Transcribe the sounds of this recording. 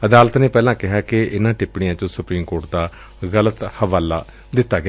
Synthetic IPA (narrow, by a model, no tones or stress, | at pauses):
əd̪aːlət̪neːpɛːlãːkɪɦaːkɪʔɪnãːʈɪpɽɪjãːt͡ʃõsʊpɾiːmkoːʈ̚d̪aː | ɣələt̪həʋaːlaː | d̪ɪt̪ːaːɡəɪa